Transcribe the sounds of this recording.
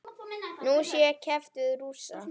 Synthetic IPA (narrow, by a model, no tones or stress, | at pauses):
nusjɛɾcʰɛft̪ʏðɾuːsa